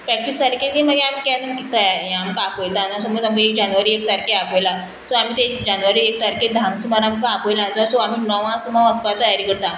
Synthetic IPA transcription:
pɾɛk̚ʈisd͡zalikekiməɡeamkɛ̃nəmkit̪ajajãamkaːpojt̪anas̬əmod͡zamkəek̚d͡ʑanʋaɾiːek̚t̪aɾkeapojla | soam̤iːt̪ed͡ʑanʋaɾiːek̚t̪aɾked̪ʱãŋɡsumaɾamkaːpojlad͡zasoam̤iːnɔʋãsumaəspat̪əaɾiːkəɾt̪a

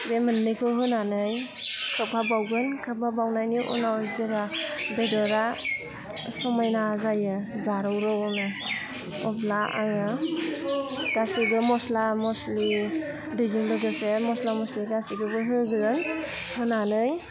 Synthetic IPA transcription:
bemɯnːɯjkʰɯɦɯnanɯj | kʰɯbabawɡɯnkʰɯbabawnajniʔɔ̰nawɾzɯɾabedɔɾa | sɔmajnazajɯzaɾɔwɾɔwnɯ | ɔblaa̰ŋɯ | ɡ̥asibɯmɔslamɔsli | dɯjziŋlɯɡɯsemɔslamɔsliɡasikɯbɯɦɯɡɯɯn | hɯnanɯj

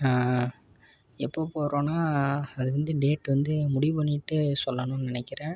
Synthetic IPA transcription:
aː | ɛpːoːpoːɾõːnaːɐðɯʋɐnd̪ɯɖeːʈːʋɐnd̪ɯmʊɽɪʋɯpɐɳːɪʈːɯsɔlːɐnʊ̃nɪnɛkːɪɾẽː

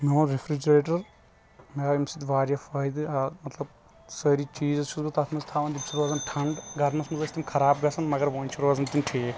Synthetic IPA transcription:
moːɾifɾid͡ʒɾeːʈɐɾ | meimsid̪ʋaːɾjɐfɐːid̪ɨɐmɐt̪lɐb | səːɾiːt͡ʃiːzɐzt͡ʃʰuzbɐt̪ɐt̪ʰmɐst̪ʰaːʋɐnd̪imsʰuɾʋaːzɐnʈʰɐɳɖɡɐɾmɐsmɐzɐsʰʲt̪imʲkʰɐɾaːb̚ɡɐsɐnmɐɡɐɾʋoːnʲt͡ʃʰuɾʋaːzɐnt̪imʈʰeː

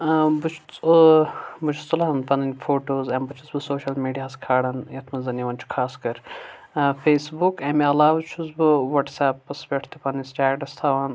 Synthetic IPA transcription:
but͡ʃʰt͡s | but͡ʃʰsulɐɐnpɐnɐnʲfoːʈoːzɐ̃ːmbɐt͡ʃʰuzbɨsoːʃɐlmiːɖijaːskʰaːɽɐnjɐt̪ʰmɐnzɐniʋɐnt͡ʃʰu̥kʰaːskɐɾ | feːsbukeːmiɐlaːʋɐt͡ʃʰuzbɨʋɐʈsaːpːɐsbʲeʈʰt̪ʰipɐnɐnʲst͡ʃaːʈɐst̪ʰaːʋaːn

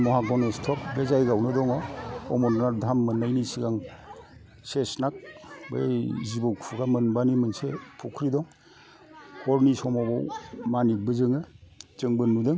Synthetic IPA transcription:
mɔɦaɡɔnestʰɔk̚bezajɡawnɯdɔŋawɔ̰mɔnnadʱamːənːajnisiɡaŋ | sesnak̚bajzibɔwkpʰuɡamɯnbanimɯnsepʰukʰɾidɔŋ | hɔɾnisɔmɔbɔwmanik̚bɯzɯŋɯt͡ʃɯŋbɯnːudɯŋ

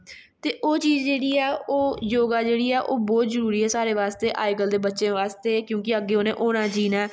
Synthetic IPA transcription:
t̪eːʔoːt͡ʃiːzd͡ʒeːɽiːɛːoːjoːɡaːd͡ʒeːɽiːɛːʔoːbɔːt̪zəɾuːɾiːɛːsaːɾeːʋaːst̪eːʔaːɪɡəld̪eːbətːʃẽːʋaːst̪eːkjõːkɪəɡːeːoːnḛ̃ːʔoːnãːd͡ʒiːnɛː

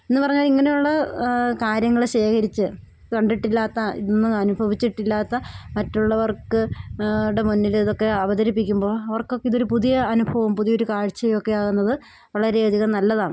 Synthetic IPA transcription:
enːɨpɐrɐɲːaːɭiŋːɐne̞juɭːɐkaːɾjɐŋːɐɭeɕe̞ːkɐɾit͡ɕːɨ | kɐɳɖiʈːilːaːt̪ːɐḭðnːɨɐnubʱɐʋit͡ɕːiʈːilːaːt̪ːɐmɐtːuɭːɐʋɐrkɨ | ɽe̞munːiliðo̞kːe̞ɐʋɐðɐɾipːikʲːumbo̞ːɐʋɐrkːo̞kːeiðoɾupuðijɐːnubʱɐʋɐmpuðijo̞ɾukaːɻt͡ɕːɐjjo̞kːe̞aːɣunːɐðɨ | ʋɐɭɐɾe̞joːd̪iɣɐmnɐlːɐðaːɳɨ

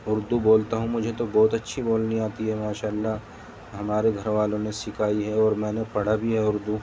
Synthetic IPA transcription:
ʊɾd̪uboːlt̪aɦũmʊd͡ʒʱet̪obɔːt̪ɐtːʃʰiboːlniaːt̪iɦɛmaːʃaːəlːa | ɦɐmaːɾeɡʱɐɾʋaːlõnesɪkʰaːiɦɛɔːɾmɛ̃ːnepɐɽ̤abʱiɦɛʊɾd̪u

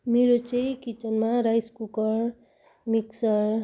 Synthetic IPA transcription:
meɾot͡ʃejkit͡ʃənmaɾajskukəɾ | miksəɾ

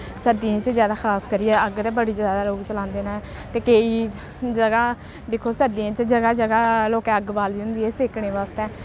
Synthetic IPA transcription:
səɖijãːt͡ʃzjaːd̪aːkʰaːskəɾiːɛːəɡt̪eːbəɽiːd͡ʒəaːd̪aːloːkt͡ʃəlãːnd̪eːnãːɛ | t̪eːkeːiː | d͡ʒəɡaː | d̪eːkʰːoːsəɖiãːt͡ʃd͡ʒəɡaːd͡ʒəɡaːloːkɛ̃ːəɡbaːliɦʊnd̪iːɛːsɪːkɽeːʋaːst̪ɛ̃ː

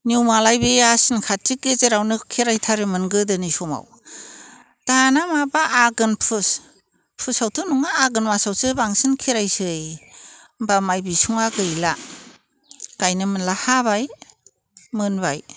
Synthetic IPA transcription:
niuwmalajbeasinkʰatikezeɾawnɯkʰeɾajtʰaɾɯmɯnɡɯdɯnisɔma̰w | d̥anamabaʔːɡɯnpʰɯs | pʰɯsawtʰɯnuŋaːɡɯnmasawsɯbaŋsinkʰeɾajsɯj | bamajbisuŋaɡɯjla | kajnɯmɯnlahaβaj | mɯnba̰j

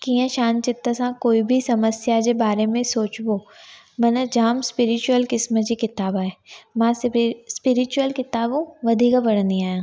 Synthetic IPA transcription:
kijãʃaːnt͡ʃɪt̪ːasãkoːibʱisɐməsjad͡ʒebaːɾemẽsoːt͡ʃboː | bɐnəd͡ʒaːmspɪɾɪt͡ʃuwəlkɪsməd͡ʒikɪt̪aːbaːɛmãːsspɪɾit͡ʃuwəlkɪt̪aːbõʋɐd̪ʱikabɐɽniaːjãː

